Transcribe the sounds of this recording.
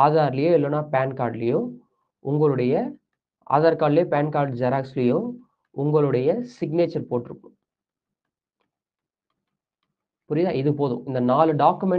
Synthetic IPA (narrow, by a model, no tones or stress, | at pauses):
aːðaːɾlɐjʊ̃ːɛlːoːnːaːpaːnkaːɾɖlɐjʊ̃ | ʊŋɡɐɭɯɽɐjɐ | a̰ːðaːɾkaːɽɪleːpaːnkaːɾɖd͡ʒɐɾaːkslɐjʊ̃ː | ʊŋɡɐɭɯɽɐjɐsɪɡneːt͡ʃɐɾpoːʈːɪɾɯkːɯ̃ | pʊɾɪðaːɪðɯpoːðʊ̰̃ɪnd̪ɐnaːlɯɖaːkːɯmɛ